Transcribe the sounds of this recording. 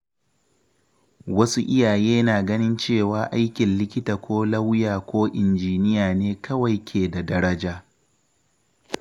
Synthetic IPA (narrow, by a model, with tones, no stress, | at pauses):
wɐ˦su˦ʔɪ˦jaː˨jeː˦naː˨ɡɐ˦nɪ˦nt͡ʃeː˦˨waː˨ʔa˦jkʲɪ˨nlɪ˦kʲɪ˦taː˨kʷʰoː˦lɐ˦wjaː˨kʷʰoː˦ʔɪ˨nd͡ʒiː˨nɪ˦jaː˨neː˦kʰɐ˦wa˨jkʲʰeː˨da˨dɐ˦ɾɐ˦d͡ʒaː˦